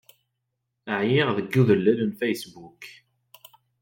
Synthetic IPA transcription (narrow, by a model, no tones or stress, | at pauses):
əʕjɪʁðəɡːuðəlːælənfæjsbuk